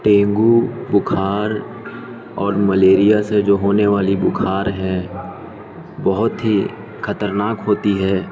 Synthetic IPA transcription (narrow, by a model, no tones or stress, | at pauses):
ʈẽːŋɡubʊkʰaːɾ | ɔːɾmɐleːɾijased͡ʒoːɦoːneʋaːlibʊkʰaːɾɦɛ̃ | bɔɦʊt̪ɦi | kʰɐt̪əɾnaːkɦoːt̪iɦɛː